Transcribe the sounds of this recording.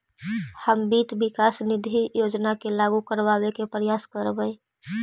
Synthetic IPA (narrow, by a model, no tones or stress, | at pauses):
həmbiːt̪bɪkaːsnɪd̪ʱijoːd͡ʒnakelaːɡukəɾʋaːwekepɾjaːskəɾbəe